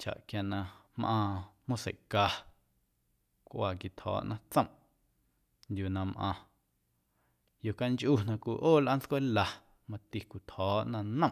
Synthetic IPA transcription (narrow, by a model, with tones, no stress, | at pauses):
t͡ʃa̰˨ʔkja˧nã˧mʔãː˧m̥õ˦sḛ˨ʔka˧ | kʷʔaː˨ki˧˨t̪hɔ̰ː˦ʔnʔã˦t͡sə̃˦mʔ | ndʲjuː˨nã˧mʔã̰ː˧ | jo˨ka˧nt͡ʃʔu˦˨nã˧kʷi˧ʔoː˦˨lʔa˦n˦t͡skʷe˦la˧ | mã˧t̪i˧kʷi˨t̪hɔː˨˦ʔnã˧nə̃˦˨